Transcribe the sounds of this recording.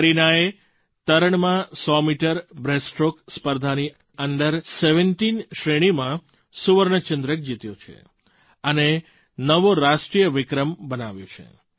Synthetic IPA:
ɾinae | t̪əɾəɳmãsɔmiʈəɾbɾesʈɾokspəɾd̪ʱani | əɳɖəɾseʋəɳʈinʃɾeɽ̃imã | suʋəɾɳət͡ʃənd̪ɾək̚d͡ʒit̪jot͡ʃʰḛ | əne | nəʋoɾaʃʈɾijəʋɪkɾəmbənaʋjo̰t͡ʃʰḛ

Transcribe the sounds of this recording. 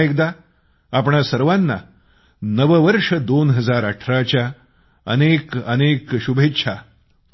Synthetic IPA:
ek̚d̪a | apɳasəɾʋanːa̰ | nəʋəʋəɾʂəd̪onɦəd͡zaɾəʈʰɾat͡ɕja | ə̰nekə̰nekɕubʱetːɕʰa

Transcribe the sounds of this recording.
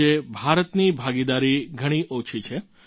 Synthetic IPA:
ebʱaɾət̪nibʱaɡid̪aɾiɡʱəɽ̃iʔot͡ʃʰit͡ʃʰe

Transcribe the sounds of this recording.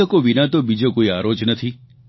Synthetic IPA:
əkoʋinãt̪obid͡ʒokoiaɾod͡ʒnət̪ʰi

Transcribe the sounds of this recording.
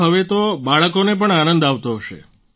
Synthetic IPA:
ɦəʋet̪obaɭəkonep̬əɳanənd̪aʋt̪oɦəʃḛ

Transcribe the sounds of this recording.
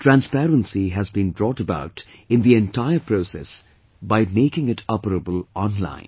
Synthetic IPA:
ʈʰɾæ̃nspɛɾə̃nsiɦæzbĩnbɾɔːʈəba̰ʊʈɪ̃nd̪iɛ̃ntʰaɪəɾpʰɾoːsɛ̰s | baɪmeɪkɪ̃ŋɪʈʰɔpəɾəbəlɔ̃nlã̰ɪ̃n

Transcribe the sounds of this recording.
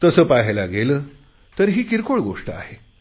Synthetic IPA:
t̪əsəːpaɦlaɡeləː | t̪əɾɦiːkiɾkoɭɡoʂʈə̰a̰he

